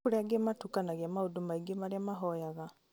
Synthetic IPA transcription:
oɾeaɡematukanaɣeamaodomaiɡemaɾeamaɦɔjaɣa

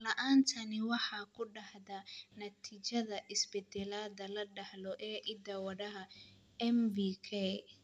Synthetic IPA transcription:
lɐʔaːnt̪ʰɐnɪwɑħɑːkʰʊɖɑhðɐnɐt̪ʰiːt͡ʃɐðɐʔɪsbɛd̪ɛlaːd̪ɐlɐɖɐhlɔʔɛːʔɪd̪ɐwɐɽɐɦɐ | ɛmbiːkʰɛ

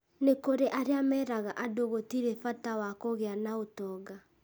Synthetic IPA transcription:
nekoɾeʔaɾeamɛɾaɣaʔadoɣotiɾefatawakoɣeanaotɔɡa

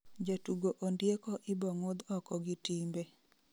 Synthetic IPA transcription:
d͡ʒatuɡoʔondjekɔʔɪbɔŋod̪ɔkɔɡɪtimbe

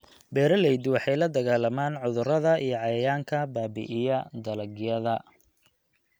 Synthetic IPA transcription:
bɛːɾɐlɛjd̪wɑħɑjlɐd̪ɐɣaːlɐmaːnʕʊðʊɾɐðɐʔijɔʕɑjɐjaːŋkʰɐbaːbɪ̰ʔɪjɐd̪ɐlɐɡjɐðɐ

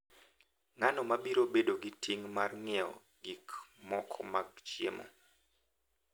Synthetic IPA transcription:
ŋanɔmabiɾobedoɡitiŋmarŋɪɛɔ̰ | ɡikmɔkʰɔ̰maɡ̚t͡ʃjḛmɔ̰

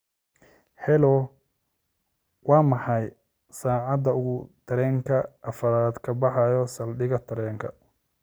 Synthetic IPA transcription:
hɛlɔ | wɑːmɑħɑj | saːʕɑd̪ɐʊʊt̪ʰɐɾɛːŋkʰɐʔːfɐɾaːd̪kʰɐbɑħɑjɔsɐlɖɪɣɐt̪ʰɐɾɛːŋkʰɐ̰

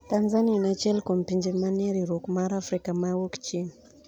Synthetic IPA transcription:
t̪anzanianat͡ʃɛlkɔmpiɲd͡ʒemaniaɾiɾokumaɾafɾikamawokt͡ʃin

